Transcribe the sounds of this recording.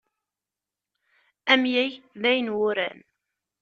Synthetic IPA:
æmjæjðæjnwʊɾæ̰n

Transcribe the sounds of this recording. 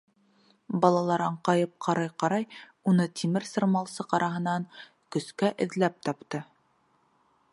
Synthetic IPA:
bɑlˠɑlˠɑɾɑɴqɑjɤp̚qʰɑɾɑjqɑɾɑj | unɤt̪ʰimɘɾsɤ̆ɾmɑlˠsɤqɑɾʔɑɦɤ̆nɑŋ | kɵ̆skæʔɘ̆ðlæp̚t̪ɑpt̪ɤ

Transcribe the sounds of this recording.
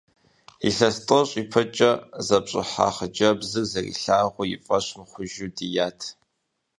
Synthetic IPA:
iɬɐstʼɨɕʼipʰɐt͡ʃʼɐzɐpɕʼɪ̰ħa̰χəd͡ʒɐbzɨɡzɐrḭɬaːʁʷʊjɪ̰fʼɐɕmχʷʊʒudijaːtʰ

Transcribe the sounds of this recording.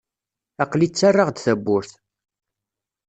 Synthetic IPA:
ɑqlit͡sːarˤːɑʁd̪θæbːʊɾθ

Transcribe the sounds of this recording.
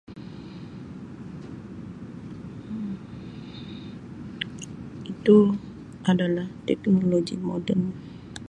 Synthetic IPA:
it̪u | ʔadalaht̪ɛknoloɡḭmɔdənɲa

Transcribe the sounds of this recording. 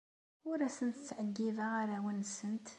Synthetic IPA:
wʊɾæsənt̪ə̥t͡sːʕəɡːiðaaɾawənːsənt̪

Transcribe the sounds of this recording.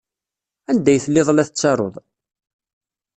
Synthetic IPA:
ænd̪æjθəlːɪðˤlæθət͡sːɑɾˤo̰ðˤ

